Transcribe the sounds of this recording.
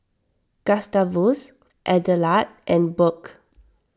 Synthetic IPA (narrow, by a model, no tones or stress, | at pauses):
kastavus | ʔɛdəlatʔɛ̃nbɔk